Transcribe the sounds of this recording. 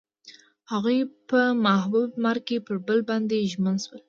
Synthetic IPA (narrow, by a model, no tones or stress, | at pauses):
haɣujpəmahbub̚maɾ̚kepəɾbəlbɑnd̪eʒmənswəl